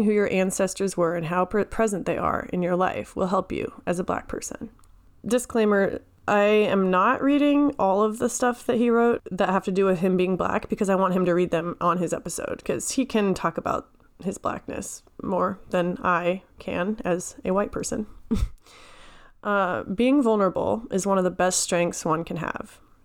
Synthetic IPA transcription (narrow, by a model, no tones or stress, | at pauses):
ŋɦʉjə˞ʔæ̃nsɛstə˞zwə˞ɨ̃nɦaʊpʰpʰɹ̥ɛzɨ̃nðeɪʔə̰˞ɨ̰̃njə˞la̰ɪfwɪ̰lˠɦɛlˠpjʉ̰ɨzəblæ̰k̚pʰɜ̰˞sɨ̰̃n | dɨskʰl̥ẽɪ̃mə˞ | ʔaɪɨ̃mnəʔɹiɾɪ̃ŋɔlˠʌvðəstʌfðɨt̚hiɹoʊt̪̚ðɨt̚ɦæftɨdɨwɨð̥ɨ̃mbiɪ̃ŋblæ̰kb̥ɨkʰʌzaɪwɑ̃nt̚ɦɨ̃mtɨɹid̪̚ðɨ̃mʔə̃nɨzɛpɨso̰ʊd̥̚kʰʌz̥hikʰɨ̃ntʰɔkəba̰ʊt̚ | hɨzblæ̰k̚nɨ̰s | mɔɹðɨ̃naɪkʰɨ̰̃nɨz̥ɨwaɪt̚pʰɜ˞sɨ̰̃n | ʔʌbiɪ̃ŋvʌlˠnə˞əbl̩ˠʔɨzwʌ̃nʌvðəbɛststɹ̥ɛ̃ŋk̚θswʌ̃nkʰɨ̃nɨ̰v̥